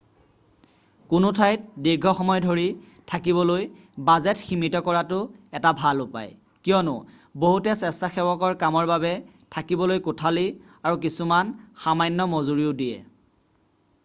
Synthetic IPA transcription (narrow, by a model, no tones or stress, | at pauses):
kʊnʊtʰajt̚diɹɡʱɔxɔmɔjdʱoɹi | tʰakibɔloj | bazɛtximitɔkɔɹatʊɛtabʱalʊpa̰j | kijɔnʊ̰ | boɦutɛsɛstaxɛwɔkɔɹkamɔɹbabɛ | tʰakibɔlojkʊtʰali | aɹuk̬isumanxamajnːɔmozuɹiʊdijɛ̰